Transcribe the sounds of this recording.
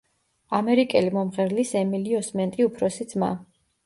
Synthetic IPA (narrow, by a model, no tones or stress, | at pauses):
amɛɾikʼɛlimɔmʁɛɾlisɛmiliɔsmɛnt̪ʼiupʰɾɔsid̪zma̰